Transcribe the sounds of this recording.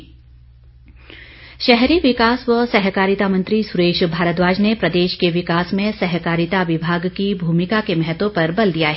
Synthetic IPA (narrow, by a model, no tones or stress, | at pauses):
ʃɛɦɾiʋɪkaːsʋəsɛɦkaːɾɪt̪amɐ̃nt̪ɾisʊɾeːʃbʱaːɾət̪ʋaːd͡ʒnepɾɐd̪eːʃkeʋɪkaːsmẽsɛɦkaːɾɪt̪aʋɪbʱaːɡkibʱuːmɪkakemɛɦət̪õpɐɾbɐld̪ijaɦɛ